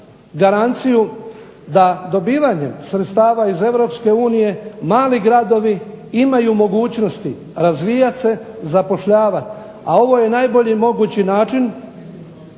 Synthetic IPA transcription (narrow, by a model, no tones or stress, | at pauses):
ɡaɾant̪siju | d̪ad̪o̞biːʋaɲe̞msɾet̪st̪aːʋaize̞ʋɾo̞pske̞uːnije̞maːliɡɾad̪o̞ʋi | imajumo̞ɡuːt͡ɕno̞st̪i | ɾazʋijat̪se̞zapo̞ʃʎaːʋat̪ | ao̞ʋo̞je̞naːjbo̞ʎimo̞ɡuːt͡ɕinaːt͡ʃin